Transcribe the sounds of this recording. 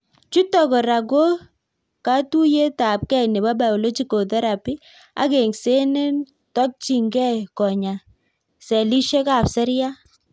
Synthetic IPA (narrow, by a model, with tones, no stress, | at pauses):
t͡ʃu˦tɔ˨kɔ˨ɾa˨ɡo˦ | ka˦tu˦je˦ta˨p̚kɛ˦nɛ˨ba˦ba˨ɔ˨lo˦d͡ʒi˦ko˨tɛ˦ɾa˨pi˦ | a̰˦ke˨ŋse˦ne˦n | tɔ˦k̚t͡ʃi˨ŋɡɛ˦˨kɔ˨ɲa˨ | sɛ˨li˦ʃe˦ka˨psɛ˦ɾja˦